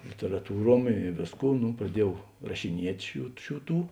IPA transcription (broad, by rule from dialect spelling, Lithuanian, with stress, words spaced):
lʲɪtʲɛrɐˈtuːˌruɔm ɪ ˈʋʲeːsˌkuː ˈnʊ prɐˈdʲiɛˌjɛʊ rɐʃʲɪˈnʲiɛtʲ ˈʃʲuː ˈʃʲuː ˈtuː